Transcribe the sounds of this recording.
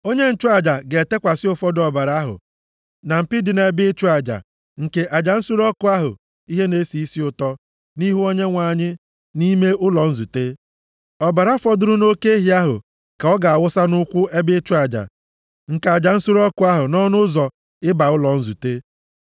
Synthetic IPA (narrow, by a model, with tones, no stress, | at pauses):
o˦ɲe˦n̩˨t͡ʃu˦a˨d͡ʒa˨ɡe˨te˦kʷa˨sɪ˦ʊ˨fɔ˦dɔ˨ba˨ɾa˦ɦʊ̰˨ | na˨m̩˨pɪ˦dɪ˨ne˦bɪ˦t͡ʃu˦a˨d͡ʒa̰˨ | ŋ̩˨ke˨ʔa˨d͡ʒa˨n̩˦su˦ɾɔ˦kʊ˦a˦ɦʊ̰˨ | i˦ɦe˦ne˦si˨i˦si˦ʊ˨tɔ˦ | ni˦ɦu˦o˦ɲe˦ŋʷa˨ɲɪ˦ | ni˦me˦ʊ˦lɔ˨n̩˦zu˨te˦ | ɔ˨ba˨ɾa˦fɔ˦dʊ˦ɾʊ˦no˦ke˦e˦ɦi˨˦a˦ɦʊ̰˨ | ka˨ɔ˦ɡa˨a˨wʊ˦sa˦nʊ˦kʷʊ˦e˦bɪ˦t͡ʃu˦a˨d͡ʒa̰˨ | ŋ̩˨ka˨d͡ʒa˨n̩˦su˦ɾɔ˦kʊ˦a˦ɦʊ˨nɔ˦nʊ˦zɔ˨ | ɪ˦ba˨ʊ˦lɔ˨n̩˦zu˨te˦